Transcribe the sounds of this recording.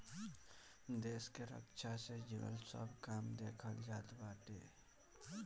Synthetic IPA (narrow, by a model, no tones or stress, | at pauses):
d̪eːskeɾə̰kt͡ʃʰased͡ʒənə̰lsə̰bʱkaːmd̪eːkʰəld͡ʒaːt̪baːʈeː